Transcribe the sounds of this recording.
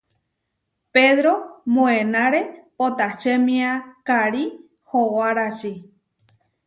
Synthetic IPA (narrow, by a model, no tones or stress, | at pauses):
peðɾomõẽnãɾe̞pot̪aʃemĩakaɾi | howaɾat͡ʃi